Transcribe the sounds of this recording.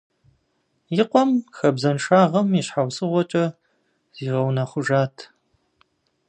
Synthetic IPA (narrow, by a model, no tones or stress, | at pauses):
jɪqʷɔmxɐbzɐnʃaːʁɐmiɕħawsɨʁʷɔt͡ʃʼɐ | z̥iːʁɐwnaːχʷʊʒaːtʰ